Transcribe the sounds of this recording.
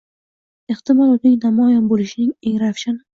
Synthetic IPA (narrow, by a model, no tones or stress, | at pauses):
eht̪ʰɪmɒlˠɒt̪nɪkʲnamɒjɒnbolɪʃɪnɪŋeŋɾafʃanɪ